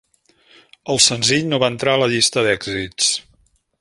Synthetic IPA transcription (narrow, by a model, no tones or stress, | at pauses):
əlˠsənziʎnoβaənt̪ɾaələʎist̪əðɛɡzitt͡s